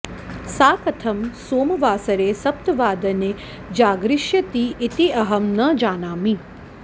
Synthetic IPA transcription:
saːkɐt̪ʰɐmsoːmʋaːsɐɾesɐp̚t̪ʋaːd̪ɐne | d͡ʒaːɡɾɪʃjət̪iʔːt̪iɐɦəmnɐd͡ʒaːnaːmĩ

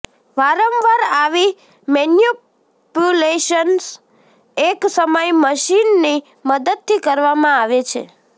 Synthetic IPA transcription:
ʋaɾəmʋaɾaʋi | mɛnju | pjuleʃəns | eksəməjməʃinːi | məd̪əd̪̚t̪ʰikəɾʋamãaʋet͡ʃʰḛ

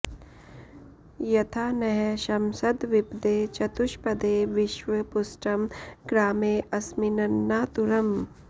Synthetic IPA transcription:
jɐt̪ʰaːnɐɦɛʃɐmsɐd̪ʋɪpd̪eːt͡ʃɐt̪ʊʃpɐd̪eːʋɪʃʋɐpʊsʈɐmɡɾaːmeːʔɐsmɪnɐnːaːt̪uɾɐm

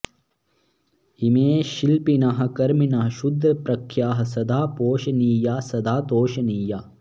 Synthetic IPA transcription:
imeːʃilpinɐɦɐ̆kɐɾminɐɦɐ̆ʃud̪ɾɐpɾɐkʰjaːɦɐ̆sɐd̪aːpoːʃɐniːjaːsɐd̪aːd̪oːʃɐniːjaː

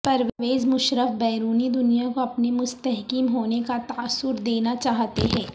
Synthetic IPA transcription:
pɐɾʋʋeːzmʊʃɾəfbɛːɾuːnid̪ʊnijakoɐpnimʊst̪ɛɦkiːmɦoːnekat̪aːsːʊɾd̪eːnat͡ʃaːɦt̪eɦɛ̃ː

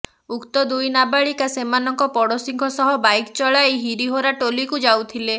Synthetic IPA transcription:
ukt̪ɔd̪ujnabaɭikasemanɔŋkɔpɔɽɔsiŋkʰɔsɔɦɔbajkt͡ʃɔɭaejɦiɾiɦoɾaʈolikud͡ʒawt̪ʰile

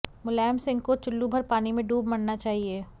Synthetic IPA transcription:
mʊlɛːmsɪ̃ŋɡ̚kot͡ʃʊlːubʱɐɾpaːnimẽɖuːbmɐɽnat͡ʃaːɦieː

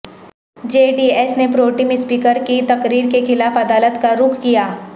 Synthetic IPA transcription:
d͡ʒeːɖiːɛsnepɾoːʈimɪspiːkəɾkit̪ɐqɾiːɾkexɪlaːfɐd̪aːlət̪kaɾʊkʰkijaː

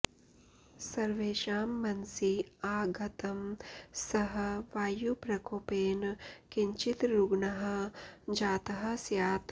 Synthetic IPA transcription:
sɐɾʋeːʃaːmːɐnsiaːɡʱɐt̪ɐmsɐɦɐ̆ʋaːjupɾɐkoːpeːnkiɲt͡ʃit̪ɾuɡɳɐɦɐ̆d͡ʒaːt̪ɐɦɐ̆sjaːt̪

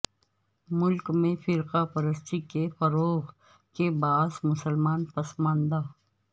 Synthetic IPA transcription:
mʊlkmẽfɪɾqapɐɾəst̪ikefɐɾoːɣ | kebaːzmʊsəlmaːnpɐsmãːnd̪aː

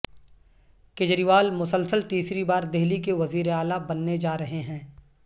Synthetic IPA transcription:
kɪd͡ʒɾiʋaːlmʊsəlsəlt̪iːsɾibaːɾd̪eɦlikeʋɐziːɾeaːlabɐnːed͡ʒaːɾɐɦeɦɛ̃ː

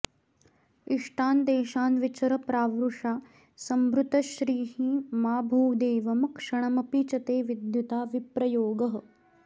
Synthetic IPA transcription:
iʂʈaːnd̪eːʃaːnʋit͡ʃɐɾɐpɾaːʋɾuʂaː | sɐmbɾut̪ɐʃɾiːɦiːmaːbʱuːd̪eːʋɐmɐkʂɐɳ̃ɐmɐpit͡ʃɐt̪eːʋid̪jut̪aːʋipɾɐjoːɡɐɦə̆

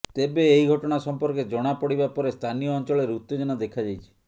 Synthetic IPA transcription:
t̪ebeːɦiɡʱɔʈɔɽ̃asɔmpɔɾked͡ʒɔɽ̃apɔɽibapɔɾest̪ʰanijɔɔnt͡ʃɔɭeɾut̪ːed͡ʒɔnɔd̪ekʰad͡ʒajt͡ʃʰi̥

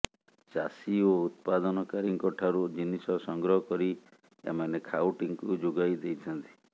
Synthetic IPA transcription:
t͡ʃasiout̪̚pad̪ɔnɔkaɾiŋkɔʈʰaɾud͡ʒinisɔsɔŋɡɾɔɦɔkɔɾi | ḛmanekʰawʈiŋkud͡ʒoɡajd̪ejt̪ʰɔnt̪i̥

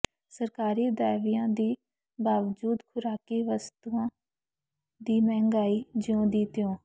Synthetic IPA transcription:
səɾkaːɾiːd̪aːʋijãːd̪iː | baːʋd͡ʒuːd̪kʰʊɾaːkiːʋəst̪uːãː | d̪iːmɛ̃ːŋɡaːiːd͡ʒɪõːd̪iːt̪ɪjõː

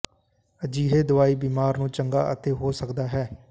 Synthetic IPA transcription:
əd͡ʒiːɦeːd̪ʊaːiːbiːmaːɾnũːt͡ʃəŋɡa̰ːʔə̰t̪eːɦoːsəkd̪aːɦɛː

